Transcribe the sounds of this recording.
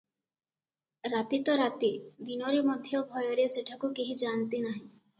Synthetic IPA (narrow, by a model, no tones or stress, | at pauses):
ɾat̪it̪ɔɾat̪id̪inɔɾemɔd̪ʱjɔbʱɔjɔɾeseʈʰakukiɦid͡ʒant̪inaɦĩ